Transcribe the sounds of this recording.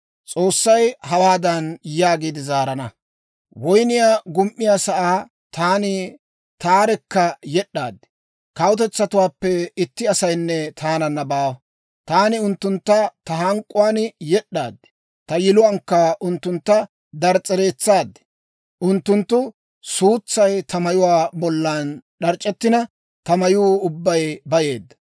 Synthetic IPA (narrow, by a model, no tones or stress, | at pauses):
t͡sʼo̞ːsːɐjhɐwaːd̪ɐnjaːɡiːd̪ɪzaːɾɐnɐ | wɔjnɪjaːɡʊmʔːɪjaːsɐʔaː | t̪aːnɪ | t̪aːɾɛkːɐjɛɗːaːd̪ːɪ̥ | kɐwʊt̪ɛt͡sːɐt̪ʊwaːpːɛɪt̪ːɪɐsɐjnːɛt̪ʰaːnɐnːɐbaːw | t̪aːnɪʊnt̪ːʊnt̪ːɐt̪ɐɦɐŋkʼːʊwaːnjɛɗːaːd̪ːɪ̥ | t̪ɐjɪlʊwaːŋkːɐʔʊnt̪ːʊnt̪ːɐ | d̪ɐɾt͡sʼɛɾeːt͡sːaːd̪ːɪ̥ | ʔʊnt̪ːʊnt̪ːʊ | suːt͡sːɐjt̪ʰɐmɐjʊwaːbɔlːanɗɐɾt͡ʃʼːɛt̪ːɪnɐ | t̪ɐmɐjuːʊbːɐjbɐje̞ːd̪ːɐ̥